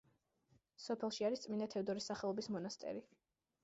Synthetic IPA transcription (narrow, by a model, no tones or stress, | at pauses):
sɔpʰɛlˠʃiaɾist̪sʼminat̪ʰɛvd̪ɔɾisaχɛlˠɔbismɔnast̪ʼɛ̰ɾi